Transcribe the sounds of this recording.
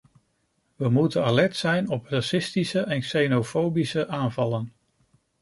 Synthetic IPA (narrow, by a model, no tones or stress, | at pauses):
ʋəmutənalɛɹtsɛjnɔpraːsɪstisəʔɛnksejnofowbisəʔaːnvɑlən